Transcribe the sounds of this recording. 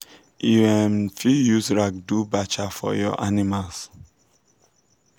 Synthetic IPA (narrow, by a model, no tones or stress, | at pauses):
iɛmfijuzɹak̚dubat͡ʃafɔ̰jɔ̰ʔanimals